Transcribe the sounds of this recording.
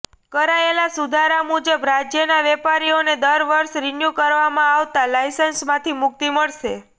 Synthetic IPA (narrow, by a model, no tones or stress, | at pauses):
kəɾaelasud̪ʱaɾamud͡ʒəbɾad͡ʒjənaʋɛpaɾioned̪əɾʋəɾʃɾinjukəɾʋamãaʋt̪alajsənsmãt̪ʰimʊk̚t̪iməɭʃe